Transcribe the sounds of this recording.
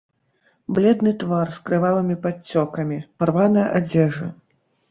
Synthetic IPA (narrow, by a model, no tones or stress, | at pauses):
blʲɛd̪nɨt̪varskɾɨvalˠɨmʲipat͡sʲːɔkɐmʲiparvanɐjɐʔad͡zʲɛʐɐ̰